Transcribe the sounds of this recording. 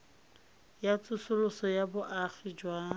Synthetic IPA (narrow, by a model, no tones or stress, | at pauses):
jat͡sʼʊsʊlʊsɔjabʊʔaχid͡ʒwaː